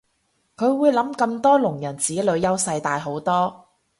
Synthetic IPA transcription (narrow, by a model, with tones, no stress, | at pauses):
kʰɵ˨˧ɥwuː˨˧jlɐ˨˥mkɐ˧mt̪ɔː˥lʊ˨˩ŋjɐ˨˩nt͡siː˨˥lɵ˨˧ɥjɐ˥wsɐ˧jt̪aː˧jɦo˨˥wt̪ɔː˥